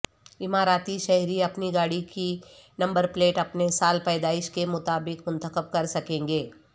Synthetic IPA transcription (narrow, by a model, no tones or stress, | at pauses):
ɪmaːɾaːt̪iʃɛɦɾiɐpniɡaːɽikinɐ̃mbəɾpleːʈɐpnesaːlpɛːd̪aːɪʃkemʊt̪aːbɪkmʊ̃nt̪əkəb̚kɐɾsɐkẽːŋɡeː